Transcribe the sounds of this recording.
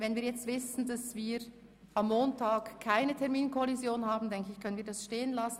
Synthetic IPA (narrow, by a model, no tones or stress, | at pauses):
vɛnviːɐjɛt͡stv̥ɪsn̩dasviː | amːoːntʰaːkkʰːaɪnətʰɛɐmiːnkʰɔlizjoːnhaːbn̩dɛŋkəɪçkʰœnənviːɐdasʃteːənlasn̩